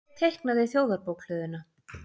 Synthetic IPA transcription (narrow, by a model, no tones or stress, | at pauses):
t̪ʰejhknaðeθjoːwðaɾpowkʰl̥œːðʏna